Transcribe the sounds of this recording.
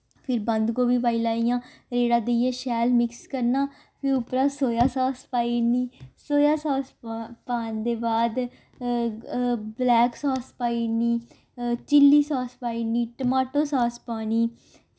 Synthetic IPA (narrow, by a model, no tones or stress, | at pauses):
pʰɪɾbə̃nd̪ɡoːʋiːʋaːilaːijãː | ɾeːɽaːd̪ejãːʃɛːlmɪkskəɾnaː | pʰɪɾʊpɾãːsoːjaːsaːspaːiniːsoːjaːsaːspaːnd̪eːbaːd̪ | blɛːksaːspaːiːniː | t͡ʃɪlːiːsaːspaːiːniːʈəmaːʈoːsaːspaːniː